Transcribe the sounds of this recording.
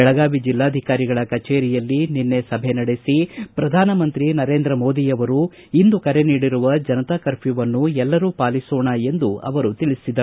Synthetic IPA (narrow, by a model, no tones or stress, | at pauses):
ɛɭɐɡaːʋid͡ʒilːaːd̪ʱikaːɾiɡɐɭɐkɐt͡ʃeːɾijɐlːininːe̞sɐbʱenɐɽesipɾɐd̪ʱaːnɐmɐnt̪ɾinɐɾe̞ːnd̪ɾɐmo̞ːd̪ijɐʋɐɾu | ind̪ukɐɾe̞niːɽiɾuʋɐd͡ʒɐnɐt̪aːkɐɾpiʋɐnːuɛlːɐɾuːpaːlisoːɳɐe̞nd̪uɐ̰ʋɐɾut̪iɭisid̪ɐ